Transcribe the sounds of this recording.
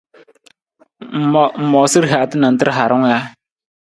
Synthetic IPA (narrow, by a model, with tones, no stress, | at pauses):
m̩˨m̩˨mɔ˨si˦ɾɦa˨tɨ˦na˨n˦tɨ˦ɾɦa˨ɾʊ˦ŋ˦ja˦